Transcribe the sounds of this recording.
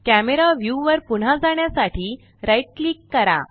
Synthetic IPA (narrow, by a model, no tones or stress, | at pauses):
kæmeɾaʋjuʋəɾpuɳ̤ad͡zaɳjasaʈʰiː | ɾajʈ̚klikːəɾa̰